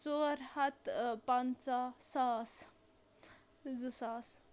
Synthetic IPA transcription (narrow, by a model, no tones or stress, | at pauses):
t͡soːɾhɐt̪pant͡sasas | d͡zusas